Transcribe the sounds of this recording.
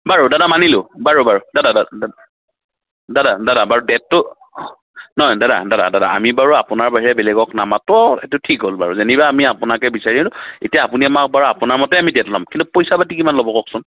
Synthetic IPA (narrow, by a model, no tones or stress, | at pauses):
baɹudadamanilʊbaɹubaɹudadadaadada | dadadadabaɹudɛtːʊ | nɔjdada̰dada̰dada̰a̰mibaɹuapʊnaɹbaɦiɹɛbɛlɛɡɔknamatɔɛtʊtʰikɦolba̰ɹuzenibaːmiapʊnakɛbisaɹilʊetijaːpuniamak̚baɹuapʊnaɹmɔtɛamidɛtla̰mkintupojsabat̬ikimanlobɔkɔksʊn